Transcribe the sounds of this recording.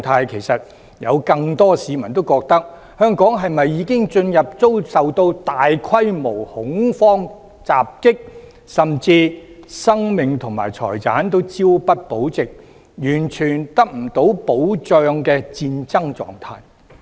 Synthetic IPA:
t̪ʰaː˧jkʰe˨˩jsɐ˨t̚ | jɐ̰˨˧wkɐ˧ŋt̪ɔː˥siː˨˧mɐ˨˩nt̪o˥wkɔː˧k̚t̪ɐ˥k̚ | hœː˥ŋkɔː˨˥ŋɦɐ˨jmɐ˨jːiː˨˧˥kɪ˥ŋt͡ʃɵ˧njɐ˨p̚t͡so˥wsɐ˨wt̪o˧wt̪aː˨jkʰɐ˥jmo˨˩whʊ˨˥ŋfɔː˥ŋ | t͡sa̰ː˨p̚kɪ˥k̚ | sɐ˨mt͡siː˧sɐ˥ŋmɪ˨ŋt̪ʰʊ˨˩ŋmaː˨˩jt͡sʰɔ̰ː˨˩jt͡saː˨˥nt̪̬o˥wt͡si˥wpɐ˥t̚po˨˥wt͡sɪ˨k̚ | jyː˨˩nt͡ʃʰyː˨˩nt̪ɐ˥k̚m̩˨˩t̪o˨˥wpo˨˥wt͡sœː˧ŋkɛː˧t͡siː˧nt͡sɐ˥ŋt͡sɔ̰ː˨ŋt̪ʰaː˧j

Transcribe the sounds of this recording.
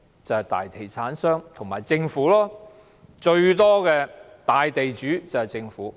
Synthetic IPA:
t͡sɐ˨whjt̪a̰ː˨jt̪ʰe˨˩jt͡sʰaː˨˥nsœː˥ŋt̪ʰʊ˨˩ŋmaː˨˩jt͡sɪ˧ŋfuː˨˥lɔː˥ | t͡ʃɵ˧ɥt̪ɔː˥kɛː˧ | t̪aː˨jt̪e˨jt͡ʃyː˨˥t͡sɐ˨whɐ˨jt͡sɪ˧ŋfuː˨˥

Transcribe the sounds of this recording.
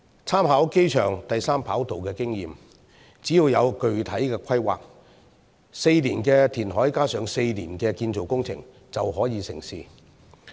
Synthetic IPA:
t͡sʰaː˥mɦaː˨˥wke˥jt͡ʃʰœ̰ː˨˩ŋt̪ɐ˨jsaː˥mpʰaː˨˥wt̪o˨wkɛː˧kɪ˥ŋjiː˨m | t͡siː˨˥jiː˨˧wjɐ˨˧wkɵ˨ɥt̪ʰɐ˨˥jkɛː˧kʷʰɐ˥jwa̰ː˨k̚ | se˧jliː˨˩nkɛː˧t̪ʰiː˨˩nɦɔː˨˥jkaː˥sœː˨˧ŋse˧jliː˨˩nkɛː˧kiː˧nt͡so˨wkʊ˥ŋt͡sʰɪ̰˨˩ŋ | t͡sɐ˨wɦɔː˨˥jiː˨˧sɪ˨˩ŋsiː˨

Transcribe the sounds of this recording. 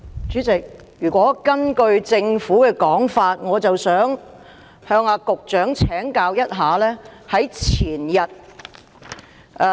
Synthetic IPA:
t͡ʃyː˨˥t͡sɪ˨k̚ | jyː˨˩kʷɔː˨˥kɐ˥nkɵ˧ɥt͡sɪ˧ŋfuː˨˥kɛː˧kɔː˨˥ŋfaː˧t̚ŋɔː˨˧t͡sɐ˨wsœː˨˥ŋ | hœː˧ŋaː˧kʊ˨k̚t͡ʃœː˨˥ŋt͡sʰɛː˨˥ŋkaː˧wjɐ˥t̚ɦaː˨lɛː˥hɐ˨˥jt͡sʰiː˨˩njɐ˨t̚

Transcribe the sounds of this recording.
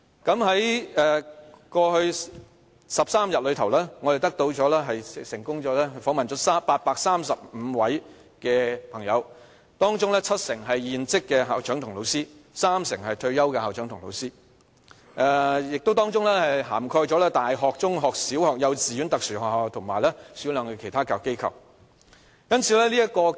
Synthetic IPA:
kɐ˨˥mhɐ˨˥jɛː˨˧kɔː˧hɵ˧ɥ | sɐ˨p̚saː˥mjɐ˨t̚lɵ˨˧ɥt̪ʰɐ˨˩wlɛː˥ŋɔː˨˧d̪e˨˩t̪ɐ˥k̚t̪o˧wt͡sɔː˨˥lɛː˥ɦɐ˨jsɪ˨˩ŋkʊ˥ŋɔː˨˥lɛː˥hɵ˧fɔː˨˥ŋmɐ˨nt͡sɔ˨˥saː˥paː˧t̚paː˧k̚saː˥msɐ˨p̚m̩˨˧wɐ˨˥j | kɛː˧pʰɐ˨˩ŋjɐ˨˧w | t̪ɔː˥ŋt͡sʊ˥ŋlɛː˥t͡sʰɐ˥t̚sɪ˨˩ŋɦɐ˨jjiː˨nt͡sɪ˥kːɛː˧ɦa̰ː˨˩wt͡ʃʰœː˨˥ŋt̪ʰʊ˨˩ŋlo˨˧wsiː˥saː˥msɪ˨˩ŋɦɐ˨jt̪ʰɵ˧ɥjɐ˥wkɛ˧haː˨˩t͡ʃʰœː˨˥ŋt̪ʰʊ˨˩ŋlo̰˨˧wsiː˥ | ʔɛ˧jɪ˨k̚t̪o˥wt̪ɔː˥ŋt͡sʊ˥ŋlɛː˥hɐ˨jɦaː˨˩mkʰɔː˧jt͡ʃɔ˨˥lɛː˥t̪aː˨jɦɔː˨k̚t͡sʊ˥ŋɦɔː˨k̚siː˨˥whɔː˨k̚jɐ˨˧wt͡siː˨ɥyː˨˥nt̪ɐ˨k̚syː˨˩hɔː˨haː˨wt̪ʰʊ˨˩ŋmaː˨jlɛː˥siː˨˥lœː˨˧ŋkɛː˧kʰe˨˩jt̪ʰaː˥kaː˨˧kːe˥jkʰɐ̰˨w | jɐ˥nt͡sʰiː˨˧lɛː˥liː˥jɐ˥kɔː˧

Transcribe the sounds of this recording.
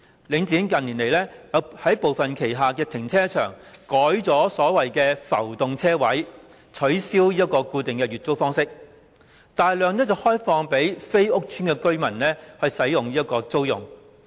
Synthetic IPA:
lɪ˨˧ŋt͡siː˨˥nkɐ˨niː˨˩nle˨˩jlɛː˥jɐ˨˧whɐ˨˥jpo˨wfɐ˨nkʰe˨˩jɦaː˨kɛː˧t̪ʰɪ˨˩ŋt͡sʰɛː˥t͡ʃʰœ̰ː˨˩ŋkɔː˨˥jt͡sɔː˨˥sɔː˨˥wɐ˨jkɛː˧fɐ̰˨˩wt̪ʊ˨ŋt͡sʰɛː˥wɐ˨˥j | t͡sʰɵ˨˥ɥsiː˥wjiː˥t̚kːɔː˧kuː˧t̪ɪ˨ŋkɛː˧ɥyː˨t̚t͡so˥wfɔː˥ŋsɪ˥k̚ | t̪aː˨jlœː˨ŋnɛː˥t͡sɐ˨whɔː˥jfɔː˧ŋpe˨˥jfe˥jʊ˥k̚t͡ʃʰyː˥nkɛː˧kɵ˥ɥmɐ˨˩nlɛː˥hɵ˨˧ɥsɐ˨˥jʊ˨ŋjiː˥ɐ˥t̚kɔː˧t͡so˥wjʊ̰˨˩ŋ

